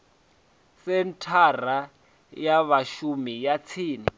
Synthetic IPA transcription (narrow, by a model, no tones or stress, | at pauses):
sɛntʰara | jaβaʃumijat͡sʰiːni